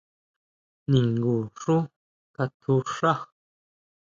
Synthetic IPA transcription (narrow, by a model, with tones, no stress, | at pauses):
nĩ˨ŋɡu˨ʂu˦ | ka˧t̪ʰu˧ʂa˦x